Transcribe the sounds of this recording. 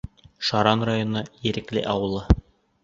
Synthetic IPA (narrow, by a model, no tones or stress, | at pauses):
ʃɑɾɑnrajonɤjɘ̆ɾɘ̆klɘ̰ʔɑwɤ̆lˠɤ